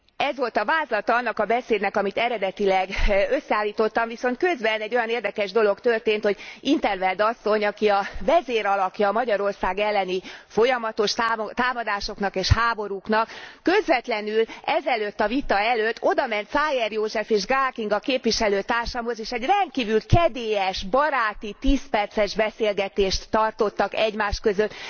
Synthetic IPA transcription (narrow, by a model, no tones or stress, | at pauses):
ɛzʋo̞lt̪ɒvaːzlɒt̪ɒɒnːɒkɒbɛseːd̪nɛkɒmit̪ɛɾɛd̪ɛt̪ilɛɡø̞sːɛaːlːiːt̪o̞t̪ːɒɱviso̞nt̪̚kø̞zbɛnɛɟːo̞jɒneːrd̪ɛkɛʒd̪o̞lo̞kt̪ørt̪eːnt̪ho̞ɟint̪ɛrvɛld̪ɒsːo̞ɲɒkiɒvɛzeːɾɒlɒkjɒːmɒɟɒɾo̞rsaːɡɛlːɛnifo̞jɒmɒt̪o̞ʃtːt̪aːmɒd̪aːʃo̞kn̪ɒkeːʃhaːbo̞ɾuknɒkːø̞zvɛt̪lɛnylɛzɛløt̪ːɒvit̪ɒɛløt̪ʰːo̞d̪ɒmɛnt̪saːjɛrjoːʒɛfeːʒɡaːrkiŋɡɒkeːpʋiʃɛløːt̪aːrʃamɦo̞zeːʃɛɟrɛnt̪̚kiːvylkɛd̪eːjɛʃbɒɾaːt̪it̪iːspɛrt̪sɛʒbɛseːlɡɛt̪eːʃt̪ːɒrt̪o̞t̪ːɒkɛɟmaːʃkø̞zøt̪ː